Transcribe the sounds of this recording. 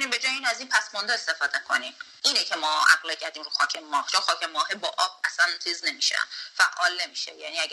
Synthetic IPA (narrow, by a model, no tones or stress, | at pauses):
niːmbe̞d͡ʒɒːjeiːnæziːnpʰæsmɔnd̪ɒest̪e̞fɒːd̪ekʰo̰nim | ʔiːnecʰe̞mɒːæ̰ɣlecʰæɾd̪imɾuːxɒːcʰemɒːht͡ʃɒxɒːcʰemɒːɦebɒːʔɒːbæsænt͡ʃʰiːzne̞miʃæ̰nfæʔːɒːlne̞miʃejæ̰niæɡæ